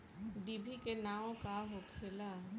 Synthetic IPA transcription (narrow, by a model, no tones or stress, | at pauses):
d̪ibʱikenaːõkaɦokʰeːla